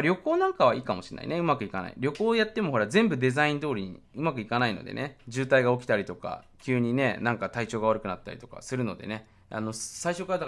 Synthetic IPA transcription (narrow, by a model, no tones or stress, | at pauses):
ɾʲo̞ko̞ːnãŋkaβaiːkamo̞ɕi̥nːa̰ḭne̞ɯ̟makɯ̟ikana̰ḭɾʲjo̞ko̞ːjat̪ːe̞mo̞ɦo̞ɾazẽ̞mbɯ̟d̪e̞zaĩnd̪o̞ːɾʲiɲ̟ḭɯ̟makɯ̟ikanaino̞̰d̪e̞̰ne̞d͡ʑɨːt̪aiɡao̞kʲi̥t̪aɾʲit̪o̞ka̰kʲɨːɲ̟ine̞nãŋkat̪ait͡ɕo̞ːɡaβaɾɯ̟kɯ̟nat̪ːa̰ɾʲḭt̪o̞̥ka̰sɨɾɯ̟no̞d̪e̞̰ne̞ | a̰no̞saiɕo̞kːaɾad̪a